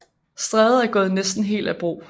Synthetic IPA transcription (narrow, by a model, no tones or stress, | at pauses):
sd̥ʁɛð̩ˠæɐɡ̥ɔ̽ːð̞̩ˠnesd̥n̩ɦe̝̰ːld̥æb̥ʁo̝̰ː